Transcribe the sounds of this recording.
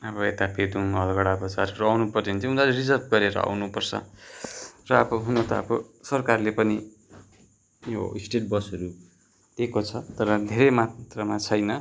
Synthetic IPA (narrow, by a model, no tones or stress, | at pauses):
ʌbʌet̪aped̪uŋʌlɡʌɽabʌt͡sarrawnupʌrint̪ʰiund̪alerisʌrbɡʌɾeɾʌ̰a̰wnupʌrt͡sʰʌ̰ | rʌːbʌɦunot̪ʌʌ̰bʌsʌrkarlepʌni | jo̰isʈeʈbʌsʌɾu | d̪ekot͡sʰʌt̪ʌɾʌd̪ʱeɾemat̪rʌmat͡sʰʌjnʌ